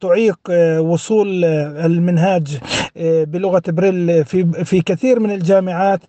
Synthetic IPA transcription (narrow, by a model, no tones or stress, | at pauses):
t̪ʊʕiːqwʊsˤuːlɪlmɪnɦaːd͡ʒ | bɪlʊɣat̪ɪbɾiːlfifikɪθiːɾmɪnɪld͡ʒaːmɪʕaːt̪